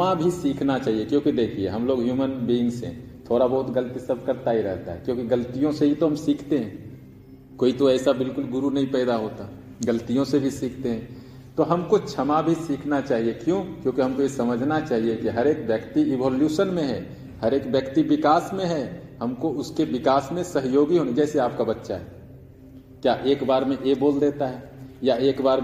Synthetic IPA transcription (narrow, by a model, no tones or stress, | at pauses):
abʱisiːkʰnat͡ʃaːɦijekjõːkid̪eːkʰiḛɦɐmloːɡɦjuːmənbiːŋsḛ | t̪ʰoːɾabɐɦʊt̪ɡəlt̪isɐb̚ʱkɐɾt̪aiɾɛ̰ɦt̪a̰ɦɛ̰kjõːkiɡəlt̪ijõseɦit̪oɦɐmsiːkʰt̪eɦɛ̃ː | koːit̪oɛːsabɪlkʊlɡʊɾunɐɦĩpɛːd̪aɦoːt̪a | ɡəlt̪ijõsebʱisiːkʰt̪eɦɛ̃ː | t̪oɦɐmkot͡ʃʰɐmabʱisiːkʰnat͡ʃaːɦiekjõːkjõːkiɦɐmkojesɐməd͡ʒʱnat͡ʃaːɦiekiɦɐɾeːkbjəkt̪iɪbɔːljuːsənmẽɦɛ̰ː | hɐɾeːkbjəkt̪ibɪkaːsmẽɦɛɦɐmkoʊskeʋɪkaːsmẽsəɦjoːɡiɦoːned͡ʒɛːseaːp̚kabɐtːʃaɦɛː | kjaːʔeːkbaːɾmẽʔeboːld̪eːt̪aɦɛː | jaeːkbaːɾ